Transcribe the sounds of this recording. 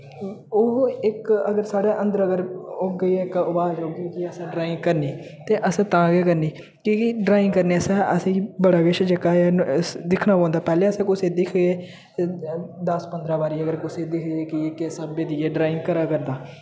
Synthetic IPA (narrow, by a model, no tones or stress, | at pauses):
oɪkəɡəɾsaːɽeːʔə̃nd̪əɾəɡəɾoːɡəiːɪkʊbaːd͡ʒoːɡeːkiəsãːɖɾaːɪŋɡkəɾniː | t̪eːʔəsãːt̪ãːɡeːkəɾniː | kikːɖɾaːɪ̃ŋɡkəɾneːəsãːəsĩːbəɽaːɡeʃd͡ʒəkaːeːd̪ɪkʰnaːpãːnd̪aːpɛːleːəsɛ̃ːkʊseːd̪ɪkʰɡeː | d̪əspənd̪ɾaːbaːɾiːəɡəɾkʊseːd̪ɪkʰɡeːkɪkɪsaːbeːd̪iːeːɖɾaːɪ̃ŋɡkəɾaːkəɾd̪aː